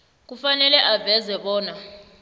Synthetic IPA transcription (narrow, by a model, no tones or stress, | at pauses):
k̬ufanɛlɛʔavɛzɛɓɔːna